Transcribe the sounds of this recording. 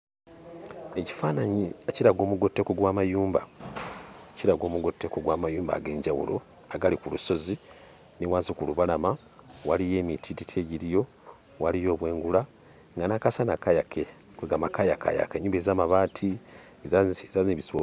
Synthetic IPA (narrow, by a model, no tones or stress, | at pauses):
e̞ci̥faːnaɲieciɾaɡo̞ːmuɡo̞tːekoɡwaːmajuːmba | ciɾaɡo̞ːmuɡo̞tːekoɡwaːmajuːmba̰ɡe̞ːɲɟawṵlo̞̰ | aɡalikuluso̞zi | niwaːnzikuluβalama | walije̞ːmitʰititʰeɟiɾijo̞ | walijo̞ːβwe̞ːŋɡula | ŋɡanakasanakajakʰe | kweɡamakajakʰa̰ja̰keɲːuːmbezaːmaβaːtʰi | ezazaziβiso